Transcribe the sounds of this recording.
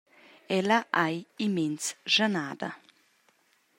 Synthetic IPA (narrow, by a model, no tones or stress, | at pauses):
ɛlaʔajimɛnsʒ̥ənaːd̪ɐ̰